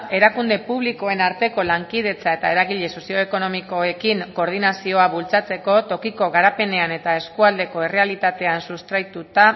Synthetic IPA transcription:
e̞ɾakund̪e̞puβ̞liko̞e̞naɾt̪e̞ko̞laŋkið̞e̞t͡sae̞t̪ae̞ɾaɣiʎe̞so̞sio̞eko̞no̞miko̞ekiŋko̞ɾð̞inasio̞aβult͡sat͡se̞ko̞t̪o̞kiko̞ɣaɾape̞ne̞ane̞t̪ae̞skuald̪e̞ko̞e̞re̞alit̪at̪e̞ansust̪ɾajt̪ut̪a

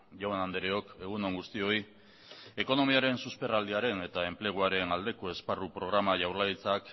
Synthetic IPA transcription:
ʝoanand̪eɾeo̞ke̞ɣ̞uno̞ŋɡust̪io̞i | e̞ko̞no̞miaɾe̞nsuspe̞rald̪iaɾe̞ne̞t̪ae̞mple̞ɣ̞uaɾe̞nald̪e̞ko̞e̞sparupɾo̞ɣ̞ɾamaʝawɾlait͡sak

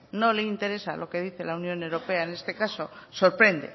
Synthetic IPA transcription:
no̞leint̪e̞ɾe̞sa̰lo̞ke̞ð̞iθe̞launjõ̞newɾo̞peaene̞st̪e̞kaso̞so̞ɾpɾe̞nd̪e̞̰

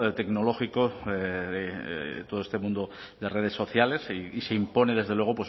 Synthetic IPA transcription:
t̪e̞knolo̞xiko | et̪oðoest̪emũnd̪o | ðereð̞esːo̞θjale̞siiseimpo̞neðe̞zðelwe̞ɣ̞o̞pwe

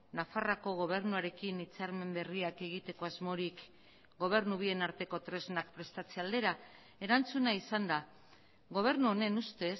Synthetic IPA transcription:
nafarako̞ɣ̞o̞β̞e̞ɾnuaɾe̞kinit͡saɾme̞mbe̞riake̞ɣ̞it̪e̞ko̞azmo̞ɾik | ɡo̞β̞e̞ɾnuβ̞ie̞naɾt̪e̞ko̞t̪ɾe̞znakpɾe̞st̪at͡seald̪e̞ɾa | e̞ɾant͡sunaisand̪a | ɣo̞β̞e̞ɾnuo̞ne̞nust̪e̞s

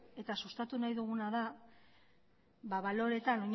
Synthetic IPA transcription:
e̞t̪asust̪at̪unajðuɣunaða | βaβalo̞ɾe̞t̪ano̞ɲ

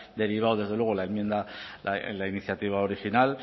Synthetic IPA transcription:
d̪e̞ɾiβ̞awð̞e̞zðe̞lwe̞ɣolaemjend̪ala̰lainiθjat̪iβ̞aoɾixinal

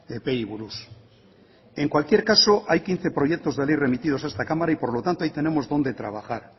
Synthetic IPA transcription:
epeiβuɾus | eŋkwalkje̞ɾkaso̞ʔajkin̟θe̞pɾo̞ʝek̚t̪o̞zðe̞lejre̞mit̪ið̞o̞saest̪akamaɾaipo̞ɾlo̞t̪ant̪o̞ajt̪e̞ne̞mozðo̞nd̪e̞t̪ɾaβ̞axaɾ

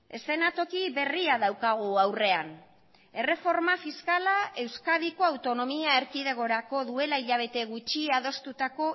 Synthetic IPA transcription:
e̞se̞nat̪o̞kiβe̞riaðawkaɣ̞uawre̞an | e̞re̞fo̞ɾmafiskalae̞wskaðiko̞awt̪o̞no̞miaeɾkiðe̞ɣo̞ɾako̞ðue̞laiʎaβ̞e̞t̪e̞ɣut͡ʃiað̞o̞st̪ut̪ako̞

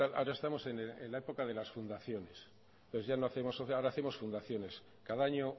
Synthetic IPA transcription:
ala̰oɾaest̪amo̞se̞neenlaepo̞kaðe̞lasfund̪aθjo̞ne̞s | t̪oθe̞zʝanoaθe̞mo̞soaoɾaːθe̞mo̞sfund̪aθjo̞ne̞s | kaðaaɲo̞

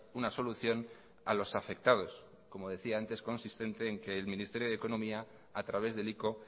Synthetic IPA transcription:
unaso̞luθjo̞n | a̰lo̞safe̞k̚t̪að̞o̞s | ko̞mo̞ð̞e̞θiaant̪e̞sko̞nsist̪e̞nt̪e̞ːŋke̞ːlmĩnist̪e̞ɾjo̞ð̞e̞ko̞nõ̞miaː | t̪ɾaβ̞e̞zðe̞liko̞

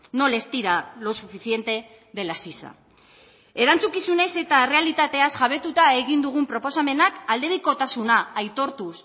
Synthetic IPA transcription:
no̞le̞st̪iɾalo̞sufiθje̞nt̪e̞ | ðe̞lasisa̰ | e̞ɾant͡sukisunejse̞t̪are̞alit̪at̪e̞asʝaβe̞t̪ut̪ae̞ɣind̪uɣ̞umpɾo̞po̞same̞nakald̪e̞βiko̞t̪asunaːjt̪o̞ɾt̪us

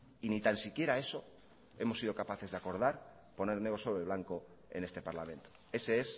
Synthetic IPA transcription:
init̪ansikje̞ɾae̞so̞ | e̞mo̞sːiðo̞kapaθe̞zðeako̞ɾðaɾ | po̞ne̞ɾneɣo̞soβɾeβ̞laŋko̞ | e̞̰ne̞st̪e̞paɾlamẽ̞nt̪o̥e̞se̞e̞s

